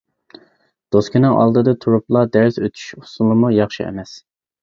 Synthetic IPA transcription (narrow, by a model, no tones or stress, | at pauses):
d̪̥oskʲinɨŋʔɑ̰lˠd̪ɨd̪ɨt̪ʰuɾuplˠɑd̪æɾsøt̪ʰy̥ʃu̥sulˠɨmujɑχʃiɛ̰mɛs